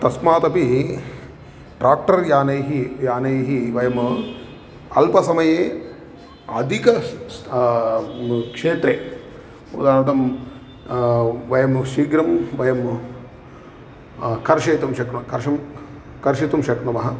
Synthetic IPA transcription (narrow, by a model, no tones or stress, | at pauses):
t̪ɐsmaːt̪ɐpi | ʈɾaːk̚ʈɐɾjaːnɐjɦijaːnɐjɦiʋɐjɐm | ɐlpɐsɐmɐjeː | ɐd̪ʱikɐ | kʂeːt̪ɾeː | mṵd̪aːɾnɐt̪̬ɐm | ʋɐjɐmʃiːɡɾɐmʋɐjɐm | kɐɾʃɐjt̪umʃɐknɐkɐɾʃɐm | kɐɾʃit̪umʃɐknɐmɐɦɐ